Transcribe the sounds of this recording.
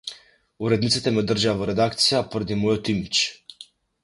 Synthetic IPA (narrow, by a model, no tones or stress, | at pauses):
uɾɛd̪nit̪si̥t̪ɛmɛod̪r̩ʒaavɔɾɛd̪akt̪sijapoɾɛd̪imɔjɔt̪imit͡ʃ